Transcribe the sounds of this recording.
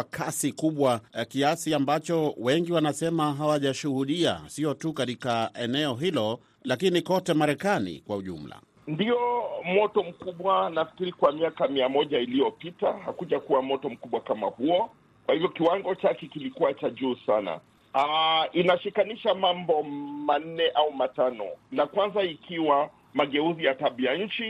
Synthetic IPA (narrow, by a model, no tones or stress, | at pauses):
akʰasikuɓwakiasiambat͡ʃɔwɛŋɡiwanasɛmaɦawaʄaʃuhuɗia̰siɔtukatikaɛnɛɔɦilɔ | lakinikɔtɛmaɾɛkanḭkwauʄṵm̩la̰ | ndiɔmɔtɔm̩kuɓwanafi̥kiɾikwamiakamiamɔʄailijɔpitahakuʄakuwamɔtɔm̩kuɓwakama̰huɔ | kwahivjɔkiwaŋɡɔt͡ʃakɛkilikuwat͡ʃaʄuːsana̰ | ainaʃikaniʃamambɔman̩nɛʔaumatanɔ̰nakwanzaikiwa | maɠɛuzijataɓiaɲ̩t͡ʃi